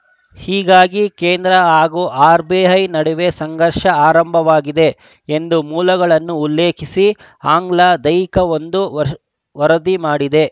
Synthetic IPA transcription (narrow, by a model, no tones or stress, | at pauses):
hiːɡaːɡikeːnd̪ɾɐaːɡuʔaːɾbeːɦɐjnɐɽuʋe̞sɐŋɡʱɐɾʃɐaːɾɐmbʱɐʋaːɡid̪e̞ | end̪umuːlɐɡɐɭɐnːuːlːeːkʰisi | aːŋɡlad̪ɐjkɐʋo̞nd̪u | ʋɐɾɐd̪imaːɽid̪e̞